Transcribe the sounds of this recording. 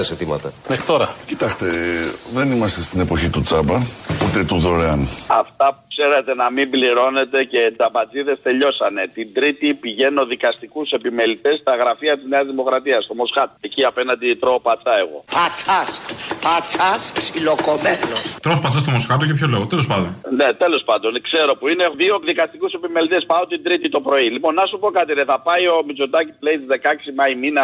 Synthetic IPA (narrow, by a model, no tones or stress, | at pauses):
eset̪imɐ̰t̪ɐexɾit̪o̞ɾɐcit̪ɐkt̪e̞ðe̞nimɐst̪e̞st̪ine̞po̞çit̪ut͡sɐbɐut̪e̞t̪uðo̞ɾeɐnɐ̰ft̪ɐpukse̞ɾet̪e̞nɐmimbliɾo̞ne̞t̪e̞ce̞t͡sɐbɐd͡ziðe̞st̪e̞ʎo̞sɐne̞t̪ind̪ɾit̪ipiʝe̞no̞ðikɐst̪ikuse̞pime̞lit̪e̞st̪ɐɣɾɐfiɐt̪izneɐzðimo̞kɾɐt̪iɐst̪o̞mo̞skɐt̪oe̞ciɐpe̞nɐnd̪it̪ɾo̞pɐt͡sɐe̞ɣo̞̰pɐt͡saspɐt͡sɐssilokomeθlost̪ɾospɐt͡sɐst̪omo̞sxɐt̪̬ocepçolo̞ɣot̪elo̞spɐnd̪onnet̪e̞lo̞spɐnd̪o̞nkse̞ɾo̞puine̞ðiokðikɐst̪ikuse̞pime̞lit̪e̞spɐot̪ind̪ɾit̪it̪o̞pɾo̞ilipo̞nːɐsupo̞kɐt̪ineθɐpɐjo̞mit͡sot̪ɐci̥ule̞it̪izðe̞kɐksimɐiminɐ